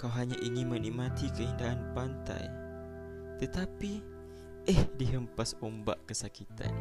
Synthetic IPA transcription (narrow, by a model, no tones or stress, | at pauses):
kawɦaɲaʔiŋinmənimat̪ikəindaʔːnpant̪a̰j | t̪ət̪api | əhdiɦəmpasumba̰ʔkəsakit̪a̰n